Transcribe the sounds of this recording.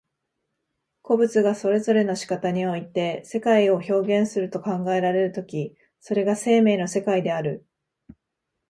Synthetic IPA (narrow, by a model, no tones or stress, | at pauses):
ko̞bɯ̟t͡sɨɡaso̞ɾe̞zo̞ɾe̞no̞ɕi̥kat̪aɲ̟io̞it̪e̞se̞kaio̞ço̞ːɡẽ̞ɰ̃sɨɾɯ̟t̪o̞kãŋɡae̞ɾaɾe̞ɾɯ̟t̪o̞kʲi | so̞ɾe̞ɡase̞ːme̞ːnose̞kaid̪e̞aɾɯ̟